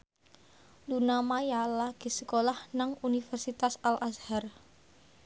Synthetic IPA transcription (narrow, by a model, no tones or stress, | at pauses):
lunamajalaɡ̥i̤səkolahnaŋunifərsit̪asalʔashar